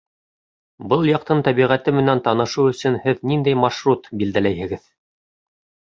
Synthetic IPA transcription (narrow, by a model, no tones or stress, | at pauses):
bɤlˠjɑq̚t̪ɤnt̪æβiʁæt̪ɘmɘ̆nænt̪ɑnɤ̆ʃuɵ̆sɵnhɘðnind̪æjmɑʃɾut̪bild̪ælæjhɘ̆ɡɘð